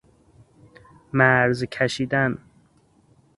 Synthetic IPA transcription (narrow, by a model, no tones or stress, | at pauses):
mæɾzkʰæʃiːd̪æn